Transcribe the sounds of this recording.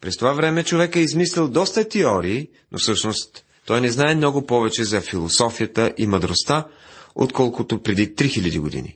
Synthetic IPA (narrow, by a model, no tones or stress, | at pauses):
pɾɛst̪ovavɾɛmɛt͡ʃovɛkɛizmislʲɛlˠd̪ɔst̪ət̪ɛɔɾiː | nʔo̰fsɤʃnost̪ː | ɔjnɛznaɛmnɔɡʊpɔvɛt͡ʃɛzɐfilˠosɔfijət̪əʔimɐd̪ɾost̪a | o̰t̪kɔlˠkʊt̪opɾɛd̪it̪ɾixilʲɐd̪ḭɡod̪ḭnḭ